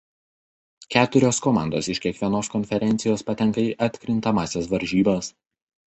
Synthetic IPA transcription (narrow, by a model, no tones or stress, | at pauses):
kʲæːt̪ʊɾʲoːskɔmɑ̰ˑnd̪oːsɪʃʲkʲiɛkʋʲiɛnoːskɔnʲfʲɛɾʲɛnt̪sʲɪjoːspɐt̪ʲɛŋˑkɐiːʔɐt̪ʲkɾʲɪnt̪ɐmɑːsʲɛsʋɐɾʲˑʒʲiːbɐs